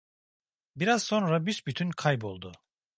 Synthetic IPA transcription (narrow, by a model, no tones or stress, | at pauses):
biɾazso̞nɾabyʃbyt̪ʰynkʰajbo̞lˠd̪ʊ